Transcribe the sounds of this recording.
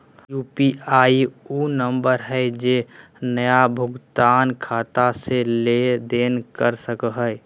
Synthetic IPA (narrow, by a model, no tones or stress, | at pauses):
jupiaiunəmbəɾɦəɪd͡ʒe | nəjabʱʊɡt̪aːnkʰat̪aseled̪enkəɾsəkəɦəj